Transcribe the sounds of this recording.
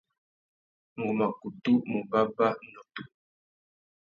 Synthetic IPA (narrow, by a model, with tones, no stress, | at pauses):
ŋ̩˨ɡu˨ma˨ku˨tu˦mu˨ba˦ba˦nɔ˨tu˦